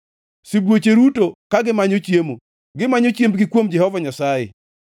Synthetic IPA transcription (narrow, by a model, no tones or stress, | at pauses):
sɪbwot͡ʃeɾutokaɡɪmaɲot͡ʃjemo | ɡɪmaɲot͡ʃjembɡɪkwomd͡ʒɛhɔvaɲasajḛ